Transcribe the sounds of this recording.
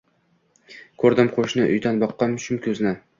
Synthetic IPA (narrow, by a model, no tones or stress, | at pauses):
kʲʰɵɾd̪ɪmqʰoʃnɪʔʊ̰jt̪ʰɑnbɒqːɑmʃʊmkʲʰɵznɪ